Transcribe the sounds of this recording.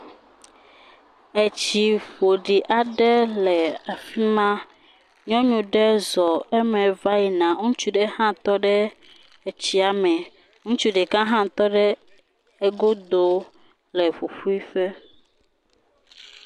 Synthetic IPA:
e˨t͡ɕi˨ɸo˨ɖi˨ʔa˨ɖɛ˦lɛ˨a˨fi˦mã˦ | ɲɔ̃˦ɲũ˨ɖɛ˦zɔ˨ɛ˦mɛ̃˨va˦ji˨nã˨ŋũ˦t͡ʃu˦ɖɛ˦hã˦t̪ɔ˦ɖɛ˦ | ɛ˨t͡ɕi˦a˨mɛ̃˨ | ŋũ˦t͡ʃu˦ɖɛ˨kã˦ɦã˦t̪ɔ˦ɖɛ˦ | e˦ɡo˦d̪o˦ | lɛ˨ɸo˨ɸu˦i˦ɸɛ˦

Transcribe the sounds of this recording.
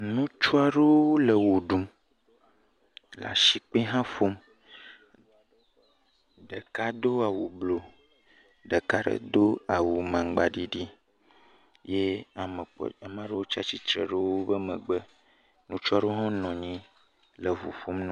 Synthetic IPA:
nũ˦t͡ʃu˦a˦ɖe˦wo˦lə˨wo˨ɖu˦m | la̰˨ʃi˨k͡pe˦ɦã˦fo˦m | ɖə˨ka˦d̪o˦a˨wu˨blo˨ | ɖə˨ka˦ɖə̰˨d̪o˦a˨wu˨mã˨ŋɡ͡ba˨ɖi˦ɖi˦ | je˦a˨mə˨k͡pa˨mã˨˦ɖə˦wo˦t͡ʃa˦t͡ɕi˦t̪ɾə̰˨ɖə˦wo˦bə˦mə̃˨ɡ͡bə˦ | nũ˦t͡ʃa˦ɖo˦ɦõ˦nɔ̃˨ɲĩ˦ | lə˨vṵ˨fo˦mnɔ̃˦

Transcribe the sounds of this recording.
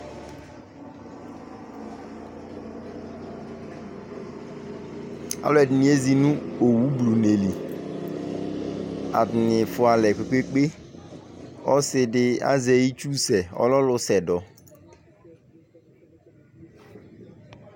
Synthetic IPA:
a̰˦lwɛ˨di˨ni˨e˦zi˨nu˦o˨wu˦blu˨ne˨li˨ | a̰˨dnɪ˨fʊ˨˦a˨lɛ˨kʷe˨k͡pe˦k͡pe˦ | ɔ˦sɪ˨dɪ˦a̰˦ze˨i˦t͡ʃu˦sɛ˨ɔ̰˦lɔ˦lʊ˦sɛ˨dɔ˨

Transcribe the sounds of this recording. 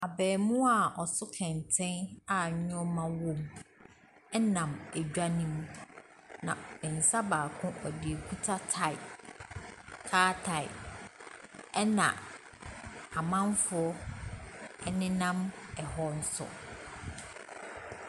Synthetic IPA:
a˨bɛː˨mʊ̃˦a˨ʔɔ˨sʊ˦kʰɛ̃˨ntʰɛ̃˦na˨ɲ˦ɲʊ̃˦ɔ˦mã˦wõ˦m | ɛ˦nã˨mæ˨d͡ʑᶣa˦nĩ˦m | nã̰˨mɪ̃˨n̩˨sa˦baː˨kʰʊ̃˦ʔɔ˨dɪ˨e˨kʰu˦tʰa˦tʰa˨ɪ˨ | tʰaː˦tʰa˨ɪ̰˨ | ɛ˦nã̰˨ | a˨mã˦ɱfʊ˨˦ɔ˦ | ɛ˦nɪ̃˦nã˦mɛ˨hɔ˦n̩˦sɔ̰˨

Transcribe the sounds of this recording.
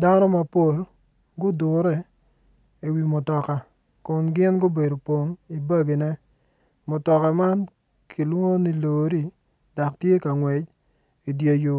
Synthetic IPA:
da˦nɔ˦ma˨po˦˨l | ɡʊ˦dʊ˨ɾɛ˦˨ | i˨wi˨mʊ˨tɔ˨ka˨ | kʊ˨nɡɪ˦nɡʊ˦be˨do˨pwo˨ŋi˨bɐ˦ɡi˨nɛ˦ | mʊ˨tɔ˨ka˨ma˦n | kʰi˨lwo˦ni˦loː˨ɾi˦˨ | da˨ktje˦ka˨ŋwɛ˨t͡ʃ | i˨djo˨ju˨

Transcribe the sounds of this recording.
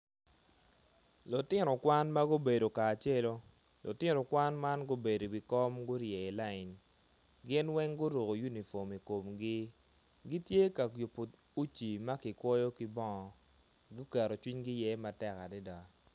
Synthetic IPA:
lʊ˨tɪ˦nɔ˨kwa˦nma˦ɡʊ˦be˨do˨kaː˨t͡ʃe˦lo˦ | lʔʊ̰˨tɪ˦nɔ˨kwa˦nma˦nɡʊ˦be˨do˨bi˨kɔ˦mɡʊ˦ɾjɛ˨ɪ˨la˦ɪ˨n | ɡɪ˦nwɛ˦ŋɡʊ˦ɾo˨ɡo˨ju˦ni˨fo˨mi˨ko˨mɡɪ˦ | ɡi˦tje˦ka˨jo˨po˨ | u˦t͡ʃi˨ma˦kɪ˨kwɔ˦jo˦kɪ˦bɔ˦ɔ˨ | ɡʊ˦kɛ˨ɾo˨t͡ʃwi˦ɲɡɪ˦jɛ˦ma˨tɛ˦ka˨dɛ˦da˨

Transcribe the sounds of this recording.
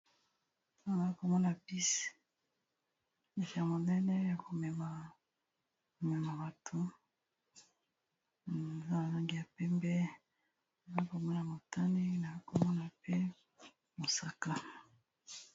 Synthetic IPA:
na˨za˦ko˨mɔ˦na˨pi˦s | ne˨ki˨ja˨mo˨nɛ˦nɛ˦ja˨ko˨mɛ˨ma˨ | mɛ˨ma˨ba˨tʰo˨ | a˨za˦na˨za˦ŋɡi˨ja˨pɛ˦mbɛ˦ | a˨za˦ko˨mɔ˦na˨mo˨ta˦ni˦na˨i˦ko˨mɔ˦na˨pe˦ | mo˨sa˨ka˦

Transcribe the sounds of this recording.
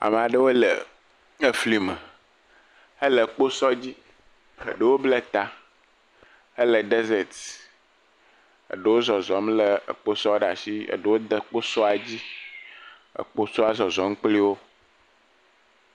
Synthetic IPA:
a̰˨m˨a˨ɖə˦wo˦lə̰˨ | ə˦fli˦mə˨ | ə˦lə˨k͡po˦sɔ˦d͡ʑi˦ | ə̰˨ɖə˦wo˦blə˦t̪a˦ | ə˦lə˨ɖe˦ze˨t̪ | ə̰˨ɖə˦wo˦zɔ˨zɔ˨˦mlə˦ə̰˨k͡po˦sɔ˦ɖa˨si˦ə̰˨ɖə˦wo˦d̪ə˦k͡po˦sɔ˦a˨d͡ʑi˦ | ə̰˨k͡po˦sɔ˦a˦zɔ˨zɔ˨ŋ̩˦k͡pli˦wo˦

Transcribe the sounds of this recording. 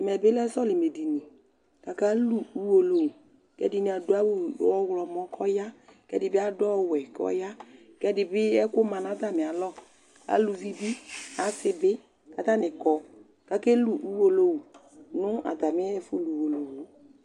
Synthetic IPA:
mɛ˨bɪ˦lɛ˦sɔ˦lɪ˨me˨di˨nĩ˨ | ka˨ka˦lu˨u˦wo˨lo˦wu˨ | kɛ̰˦di˨nĩ˨a˨dʊ˦a˦wʊ˦˨˦ɔ˦wlɔ˨mɔ˦kʰɔ˦ja˦kɛ˦dɪ˨bɪ˦a˦dɔ˦˨wɛ˨kɔ̰˦ja˦ | kɛ˦dɪ˨bɪ˦ɛ˦kʊ˦mã˨na˨˦d̪a˦mɪ˨a˨lɔ˦ | a̰˨lu˨vi˦bi˦a˨sɪ˦bɪ˦ | ka˨t̪a˦nɪ˨kɔ˨ | ka˦ke˦lu˨u˦wo˦lo˦wu˨ | nʊ˦a̰˨d̪a˨mɪ˦ɛ˦fu˦lu˨wo˨lo˨wo˨˦

